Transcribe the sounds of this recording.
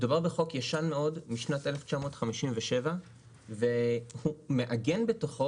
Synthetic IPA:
d̪ubaʁbeχo̞kjaʃanme̞o̞dmiʃnatʔe̞left͡ʃamo̞ːtχamiʃimveʃe̞va | ve̞hume̞ʔaɡe̞nbe̞toχo

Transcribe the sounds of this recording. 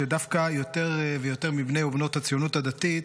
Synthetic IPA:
edafkajo̞t̪e̞ʁvejo̞te̞ʁmibnejubno̞t̪hat͡sijonut̪ad̪at̪it̪

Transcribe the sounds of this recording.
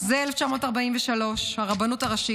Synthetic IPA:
zeeleft͡ʃamo̞taʁbaimvɛʃalo̞ʃhaʁabanutaʁaʃi

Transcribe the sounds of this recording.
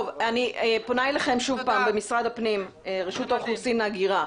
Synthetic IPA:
ovaniʔepo̞najlaχe̞mʃuvpaːmbemisʁad̪apnim | eʁeʃutaχusinaɡiʁa

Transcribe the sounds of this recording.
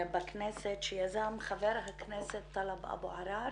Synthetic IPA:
bakneset̪ʃejazamχaveɾɦakneset̪ːalabʔa̰boʕaɾa

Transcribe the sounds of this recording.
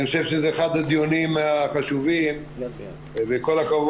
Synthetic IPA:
χoʃevʃezeːχad̪ad̪jonimaχaʃuvim | vekolakav

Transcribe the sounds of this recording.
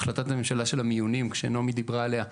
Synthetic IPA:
χlat̪at̪amemʃalaʃelamijunimkʃenomed̪ibʁaelea

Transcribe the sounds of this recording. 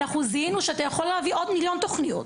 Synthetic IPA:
aχuzinuʃeat̪ajaχo̞lːeaviʔo̞d̪miljo̞nt̪oχnijut

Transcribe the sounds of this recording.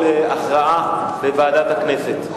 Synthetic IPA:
eaχʁaʔalevaːd̪at̪hakne̞set̪

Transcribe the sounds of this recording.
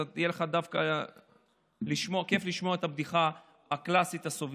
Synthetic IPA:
at̪ijeleχad̪afka | liʃmoke̞fliʃmo̞ɐet̪abd̪iχa | haklasit̪asov

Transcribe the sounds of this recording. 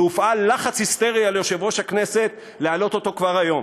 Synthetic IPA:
ufʔalːaχat͡shist̪e̞ʁialejoʃevʁo̞ʃhakne̞se̞t̪̚ | lealo̞t̪o̞t̪o̞kvaʁajo̞m

